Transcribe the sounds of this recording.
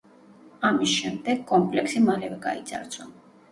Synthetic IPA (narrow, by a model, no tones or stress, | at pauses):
amisʃɛmd̪ɛɡkʼɔmpʼlɛksimalɛvɛɡa̰id̪zʼa̰ɾsʰʼɔn